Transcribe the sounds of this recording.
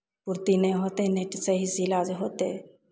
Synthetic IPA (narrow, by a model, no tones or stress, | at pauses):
pʊɾt̪inɛɦoːt̪eneːʈsəɦizilad͡ʒɦoːt̪eː